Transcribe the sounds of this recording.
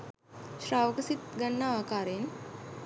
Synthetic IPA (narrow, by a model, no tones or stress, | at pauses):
ʃraːʋəkəsit̪ɡanːaaːkaːɾen